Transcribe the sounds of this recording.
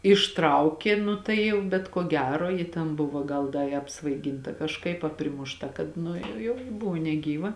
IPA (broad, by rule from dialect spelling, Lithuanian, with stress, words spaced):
ɪʃˈtrɐʊkʲeː ˈnʊ tɐɪ ˈjɛʊ bʲɛt koː ˈɡʲæːroː ˈjɪ tʲɛn ˈbʊʋoː ˈɡɐlˠ ˈdɐ ɪ ɐpsʋɐɪˈɡʲɪntɐ kɐʃˈkɐɪp ɐ pʲrʲɪmʊʃˈtɐ ˈkɐt nʊ ˈjɛʊ ˈbʊʋoː nʲɛˈɡʲiːʋɐ